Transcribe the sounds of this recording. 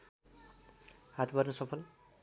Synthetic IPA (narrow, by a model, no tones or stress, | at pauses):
hat̪ʰbʌrnʌsʌpʰʌl